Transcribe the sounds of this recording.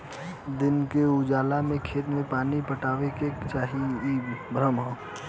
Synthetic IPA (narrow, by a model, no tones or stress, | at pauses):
d̪ɪnkeud͡ʒaːlamẽkʰeːt̪mẽpaːnipəʈaːʋeket͡ʃaːɦiibɾəmɦõ